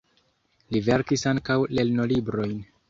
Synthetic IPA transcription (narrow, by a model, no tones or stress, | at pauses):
live̞ɾkisaŋkawle̞lno̞libɾo̞jn